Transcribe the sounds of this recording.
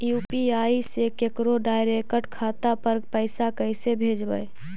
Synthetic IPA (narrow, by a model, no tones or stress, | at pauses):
jupiaisekekɾoɖaɪɾekəʈkʰat̪apəɾpəsakəɪsebʱed͡ʒbə̰j